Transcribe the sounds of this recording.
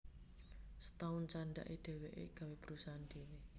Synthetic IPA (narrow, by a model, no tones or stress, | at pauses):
sə̥t̪aʊnt͡ʃanɖa̰ʔiɖ̪̥e̤weʔḛɡ̥a̤web̥əɾusand̪ene